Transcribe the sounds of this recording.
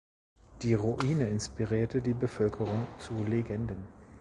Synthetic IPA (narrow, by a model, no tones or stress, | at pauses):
d̥iːʁuʔiːnəɪnspiʁiːɐtədiːbəfœlkʰəʁʊŋt͡suleɡɛndən